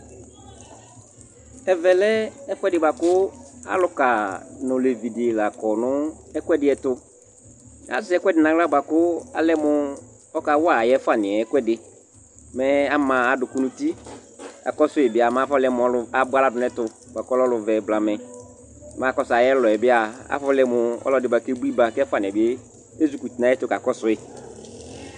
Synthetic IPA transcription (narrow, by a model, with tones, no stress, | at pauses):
ɛ˨vɛ˨lɛ˦ɛ˦kʷɛ˦dɪ˨ba˨kʊ˦a̰˨lʊ˦ka˨nʊ̃˨le˨vi˨dɪ˨la˨kɔ˨nʊ̃˦ɛ˦kʷɛ˦dɪ˨ɛ˨tʊ˨ | a̰˨˦sɪ˨˦ɛ˦kwɛ˦dɪ˨nã˨kla˦ba˨kʊ˦a̰˨lɛ˦mʊ˦ | ɔ˦ka˨wa˨jɛ˦fa˨nɪ̃˨ɛ˨ɛ˦kwɛ˦dɪ˨ | mɛ˦a˦mã˨a˨dʊ˨kʊ˦nʊ̃˨ti˦ | a̰˨kɔ˦sʊ˦ɪ˨bɪ˦a˨ma˦fɔ˦lɛ˨m˨ɔ˨˦la˨bʊ˦a˦la˨dʊ˨nɛ˦tʊ˨ | ba˨kɔ˦lɔ˦lʊ˨vɛ˨bla˨mɛ˨ | mã˨˦kɔ˦sa˨jɛ˦lɔ˨ɛ˨bɪ˦a˨a̰˦fɔ˦lɛ˨˦mʊ˨ɔ̰˦lɔ˨dɪ˨˦ba˨ke˦bu˦i˦ba˨kɛ˦fʊ˦a˦˨nɪ̃˨ɛ˨bɪ˦e˦ | e˦zu˨ku˨ti˨nã˨˦ɛ˦tʊ˨˦ka˨kɔ˦sʊ˦ɪ˨